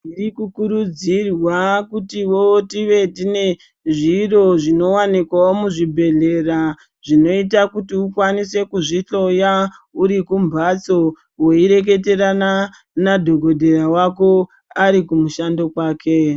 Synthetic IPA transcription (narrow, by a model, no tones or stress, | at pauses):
irikukuɾud͡zirwakutiwo̞tiʋe̞tine̞ | ʐiro̞ʐino̞wanikwaomuʐibʱe̞ɮe̞ra | ʐino̞itakutiukwanise̞kuʐiɬo̞jauɾikumbʱat͡so̞ | we̞iɾe̞k̬e̞te̞ɾana | nadʱo̞ɡʱo̞dʱe̞ɾawak̬o̞ | aɾikumuʃando̞kwaːkʰe̞